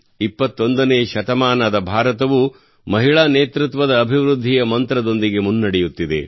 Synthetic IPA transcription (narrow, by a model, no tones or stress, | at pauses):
ipːɐt̪ːo̞nd̪ɐneːʃɐt̪ɐmaːnɐd̪ɐbʱaːɾɐt̪ɐʋu | mɐɦiɭaːneːt̪ɾut̪ʋɐd̪ɐːbʱiʋɾud̪ʱːijɐmɐnt̪ɾɐd̪o̞nd̪iɡe̞munːɐɽejut̪ːid̪e̞̰